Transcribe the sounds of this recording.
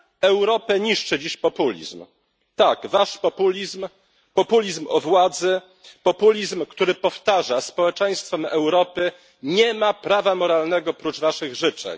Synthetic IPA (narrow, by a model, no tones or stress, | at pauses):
ɛwɾɔpɛɲiʂt͡ʂɘd͡ʑiɕpɔpulʲḭzm | t̪aɡvaʂpɔpulʲizm | pɔpulʲizmɔ̰vwad̪zɘ | pɔpulʲizmkt̪uɾɘpɔft̪aʐaspɔwɛt͡ʂɛj̃st̪fɛmɛwɾɔpɘ | ɲɛmapɾavamɔɾalnɛɡɔpɾut͡ʂvaʂɘɣʐɘt͡ʂɛ̰ɲ